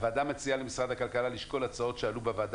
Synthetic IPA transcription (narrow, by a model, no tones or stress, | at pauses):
vaːd̪amet͡sialemisʁad̪hakalkalaliʃko̞lat͡sao̞t̪ʃealubevaːd̪